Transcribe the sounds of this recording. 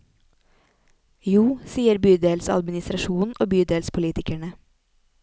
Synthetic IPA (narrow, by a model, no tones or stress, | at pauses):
juːsiːəɾbyːd̪eːlsɑ̰d̪mɪnɪst̪ɾɑʃuːnʔoːbyːd̪eːlspʰʊliːt̪ɪkæɳə